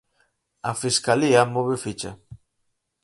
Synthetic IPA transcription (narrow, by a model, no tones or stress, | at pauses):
afiskaliamoβefit͡ʃa̰